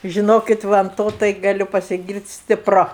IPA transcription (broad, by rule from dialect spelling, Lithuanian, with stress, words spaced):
ʒʲɪˈnoːkʲɪt ˈʋɐ ɐn ˈtoː tɐɪ ɡɐˈlʲʊ pɐsʲɪˈɡʲiːrʲtʲ sʲtʲɪˈprʊ